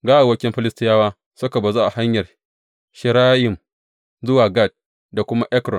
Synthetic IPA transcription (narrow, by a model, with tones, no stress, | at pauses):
ɡaː˦ʔa˨wɐ˦kʲɪ˦mɸɪ˦lɪ˦stɪ˦jaː˦waː˦ | sʊ˦ka˨ba˨zoː˦ʔa˨ha˦ɲjɐ˨r | ʃɪ˨ɾaː˦jɪ˨m | zʊ˦waː˨ɡa˦˨d̚ | da˨kʷʊ˦ma˦ʔɛ˦kɾɔ˨n